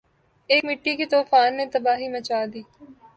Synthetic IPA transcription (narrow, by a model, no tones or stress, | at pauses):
eːkmɪʈːikit̪oːfaːnːet̪ɐbaːɦimət͡ʃaːd̪iː